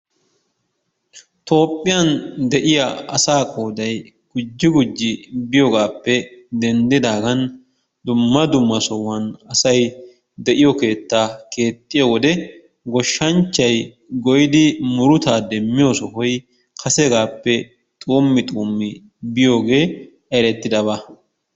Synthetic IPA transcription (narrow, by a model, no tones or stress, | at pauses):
t̪ʰo̞ːpʼːɪjɐnd̪ɛʔɪjɐɐ̰saːkʼoːd̪ɐj | ɡ̥ʊd͡ʒːɪɡʊd͡ʒːɪbɪjɔɡaːpːɛd̪ɛnd̪ɪd̪aːɡɐn | d̪ʊmːɐd̪ʊmːɐsɔwːɐnɐsɐj | d̪ɛʔɪjɔke̞ːt̪ːaːke̞ːt̪ʼːɪjowɔd̪ɛ | ɡɔʃːɐnt͡ʃːɐj | ɡɔjɪd̪ɪmʊɾʊt̪aːd̪ɛmːɪjo̞ːsɔhɔj | kʰɐsɛɡaːpːɛ | t̪ʼuːmːɪt̪ʼuːmːɪ | bɪjo̞ːɡe̞ː | ɛɾɛt̪ːɪd̪ɐbɐ